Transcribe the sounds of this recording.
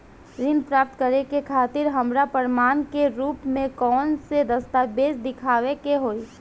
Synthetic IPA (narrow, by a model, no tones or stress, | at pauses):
ɾɪnpɾaːp̚t̪kəɾekekʰaːt̪ɪɾɦɐmɾapəɾmaːnkeɾuːpmẽkɔːnsed̪ɐst̪aːbeːd͡ʒd̪ɪkʰaːʋekeɦoːiː